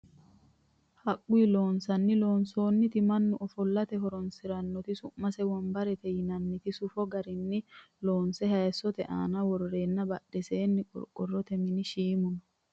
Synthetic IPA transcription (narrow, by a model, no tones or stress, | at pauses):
hɐkʼːʊilo̞ːnsɐnːɪlo̞ːnso̞ːnːɪt̪ɪmɐnːʊʔɔfɔlːɐt̪ɛɦɔɾɔnsɪɾɐnːɔt̪ɪsʊʔmːɐsɛwɔmbɐɾɛt̪ɛjɪnɐnːɪt̪ɪsʊfɔɡɐɾɪnːɪ | lo̞ːnsɛhɐɛsɔt̪ɛʔa̰ːnɐwɔɾɔɾeːnːɐbɐɗɛseːnːɪkʼɔ̰ɾkʼɔrːɔt̪ɛmɪnɪʃiːmʊnɔ